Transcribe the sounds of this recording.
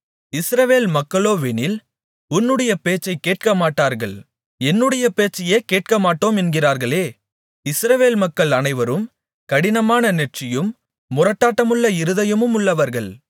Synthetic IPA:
ɪsɾɐʋeːlmɐkːɐɭoːʋeːnɪl | ʊnːɯɽɐjɐpeːt͡ʃːɐɪkːeːʈ̚kɐmaːʈːaːɾɣɐɭ | ɛnːɯɽɐjɐpeːt͡ʃːɐjeːkeːʈ̚kɐmaːʈːoːmɛnɡɪraːɾɣɐɭeː | ɪsɾɐʋeːlmɐkːɐɭɐnɐɪʋɐɾɯm | kɐɽɪnɐmaːnɐnɛʈ̚t͡ʃɪjɯmː | ʊrɐʈːaːʈːɐmɯɭːɐɪɾɯðɐjɐmɯmʊɭːɐʋɐɾɣɐɭ

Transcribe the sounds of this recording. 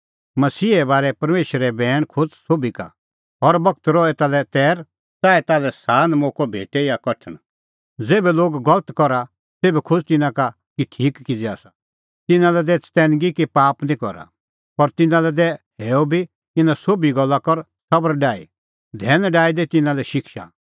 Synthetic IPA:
mɐsiːɛbaːɾɛpɐɾmeːʃɾɛbɛːɽ̃kʰʊt͡ssoːbika̰ | ɔɾbɐk̚t̪ɾɔɛt̪aːlɛt̪ɛːɾ | t̪aːɛt̪aːlɛsaːnmoːkobʱeːʈɛjakɐʈʰəɽ̃ | d͡zeːbɛloːɡɡɐlət̪kɔɾa | seːbɛkʰʊd͡zt̪ɪnãka | kiʈʰiːkkid͡zɛa̰ːsa | t̪ɪnãlɛd̪ɛt͡st̪ɛːnɡikipaːpnĩkɔ̰ɾa̰ | pɐɾt̪ɪnãlɛd̪ɛɦɛːobʱi | ɪnãsoːbiɡɔlːakɔɾ | sɐbəɾɖaːḭ | d̪ʱɛːnɖaːid̪ɛt̪ɪnãlɛʃɪkʃa̰

